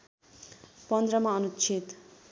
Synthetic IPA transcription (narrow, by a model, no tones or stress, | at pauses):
pʌnd̪rʌmaʌnut͡sʰit̪